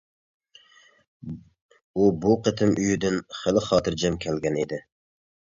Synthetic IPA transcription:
ubuqət̪ʰɪmʔyjyd̪ɪnχəlˠɪχɑːt̪ʰɨɾd͡ʒɛmkʲʰɛlɡʲɛnid̪ɪ

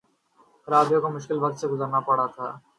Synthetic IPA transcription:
ɾaːd̪jõkomʊʃkɪlbɐk̚t̪seɡʊzəɾnapɐɽat̪ʰa̰ː

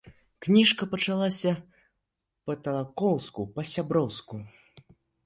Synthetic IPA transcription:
knʲiʂkɐpɐt͡ʂalˠasʲɐ | pɐt̪ɐlˠakɔwskupɐsʲabɾɔwsku

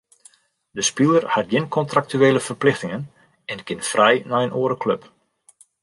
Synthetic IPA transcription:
dəspilˠərhat̚ɡɪnkʰɔntrak̚tyeːləfərplɪxtɪŋən | ɛnkɪnfrɛjnaənʔoːəɾəkʰløp

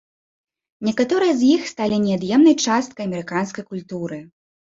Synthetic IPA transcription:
nʲɛkat̪ɔɾɨjɐzʲjixst̪alʲinʲɛad̪jɛmnɐjt͡ʂast̪̚kɐjɐmʲɛɾɨkanskɐjkulʲt̪uɾɨ

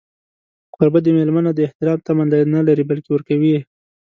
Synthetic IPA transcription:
qoɾbad̪əmelmanad̪əɪht̪ɪɾɑmt̪amanlanalaɾibalkewəɾkawi

